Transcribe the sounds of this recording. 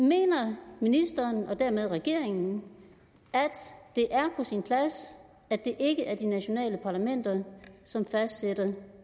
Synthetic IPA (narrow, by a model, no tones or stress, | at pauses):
me̝̰ːnɐminisd̥ɐːnɒ̽d̥æɐmeð̞ˠʁɛɡ̥e̝ɐ̰e̝ŋn̩ | æd̥d̥e̝ʔæɐpʰɒ̽sinpʰlæs | æ̥e̝ʔe̝ɡ̥əʔæɐd̥inæɕo̝nɛ̰ːləpʰɑ̈ːlæmen̰d̥ɐsɒ̽mfæsd̥sed̥ɐ